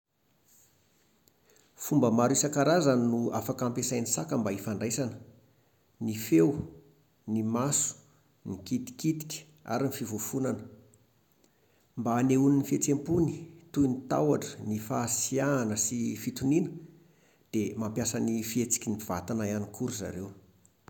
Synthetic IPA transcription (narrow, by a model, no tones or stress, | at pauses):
fumbəmaɾisakaɾazanua̰fakampesajnisakəmbaifaɳɖ͡ʐajsanə̥ | nifew | nimasu̥ | nikit̪i̥kit̪i̥kʲi̥ | a̰ɾinifivufunanə | mbaneuninifet͡sempunit̪ujnit̪a̰waʈ͡ʂə̥nifaːsiaːnəsifit̪uninə̥ | d̪̥emampjasanifiet͡si̥kʲiniv̥a̰t̪anajanikʰuɾuza̰ɾew